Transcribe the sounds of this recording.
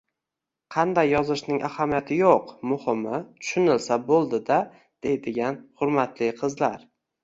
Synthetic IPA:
qʰɑnd̪ajːɒzɪʃnɪŋʔa̰hamijat̪ʰɪjoqmʊhɪmɪt̪ʰʊ̥ʃɪnɪlsabolˠd̪ɪd̪a | d̪̥e̞jd̪ɪɡʲanhʊɾmat̪ʰlɪqʰɨzlaɾ

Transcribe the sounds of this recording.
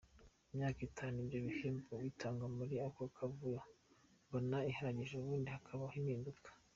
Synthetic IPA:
imɲaːkitʰaːnuibɾoβiheːmbowiːtʰaːŋɡamuɾiakokʰavujombonaihaɾaɟiʒeuβuːndihakʰaβahinhiːndukʰḁ

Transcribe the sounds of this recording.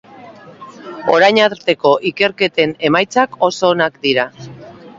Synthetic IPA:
o̞̰ɾajɲaɾt̪e̞ko̞ʔike̞ɾke̞t̪e̞ne̞majt͡sako̞so̞ːnakd̪iɾa

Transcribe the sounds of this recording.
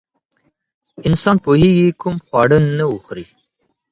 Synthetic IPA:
ɪnsɑnpoheɡikumxwɑɽənnauxɾi

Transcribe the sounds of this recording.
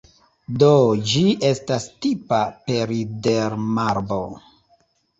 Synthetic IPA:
dod͡ʒiʔe̞stastipape̞ɾideɾmaɾbo

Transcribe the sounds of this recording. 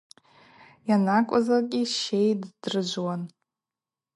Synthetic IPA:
janakʷʼazarkʲʼiʃe̞jdd̥rɨd͡ʒʷwan

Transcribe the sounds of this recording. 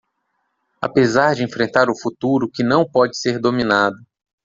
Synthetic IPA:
a̰pezaɾd͡ʒɪẽfɾẽnt̪aɾʊfut̪uɾʊkɪnɐ̃w̃pɔd͡ʒɪ̥seɾd̪omĩnad̪ʊ

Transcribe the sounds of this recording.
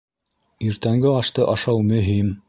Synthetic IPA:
iɾt̪æŋɡɘɑʃt̪ɤʔɑʃɑwmɵ̆ɦim

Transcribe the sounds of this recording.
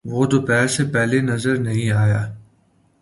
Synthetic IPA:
ʋoːd̪opɛːɾsepɛɦlenɐzəɾnɐɦĩaːjaː

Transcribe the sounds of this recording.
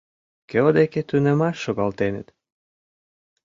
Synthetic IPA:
keod̪eket̪ynĕmɑʃːoɣɑlt̪enə̰̆t̪

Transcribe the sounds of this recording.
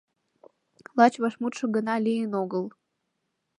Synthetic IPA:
lˠɑt͡ɕβɑʃmut̪ʃɤ̆ɡə̆nɑlʲijənoɡəl

